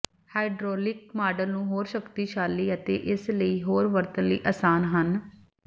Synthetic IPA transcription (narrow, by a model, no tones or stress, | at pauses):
haːɪɖɾoːlɪk̚maːɖəlnũːɦoːɾʃəkt̪iːʃaːlːiːət̪ḛːʔɪsləiːɦoːɾʋəɾt̪ənlḭːʔaːsaːnɦən